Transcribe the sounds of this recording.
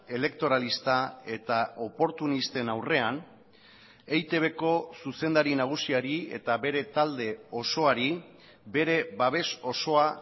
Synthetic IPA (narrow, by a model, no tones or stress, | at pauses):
e̞le̞k̚t̪o̞ɾalist̪ae̞t̪ao̞po̞ɾt̪unist̪e̞nawre̞an | ejt̪e̞β̞e̞ko̞suse̞nd̪aɾinaɣ̞usiaɾie̞̰t̪aβe̞ɾe̞t̪ald̪e̞o̞so̞aɾi | be̞ɾe̞baβ̞e̞so̞so̞a